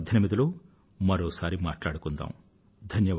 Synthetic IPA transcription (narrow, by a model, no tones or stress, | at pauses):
d̪ʱjɐnimid̪ɐloː | mɐɾoːsaːɾimaːʈlaːɽukund̪a̰ːm | d̪ʱɐnjɐ